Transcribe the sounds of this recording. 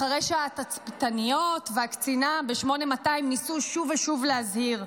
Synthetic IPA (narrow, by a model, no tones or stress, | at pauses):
aʁejʃaat̪at͡sptanijo̞t̪veakt͡sinabeʃmo̞ne̞mataimnisuʃuveʃuvleazhiʁ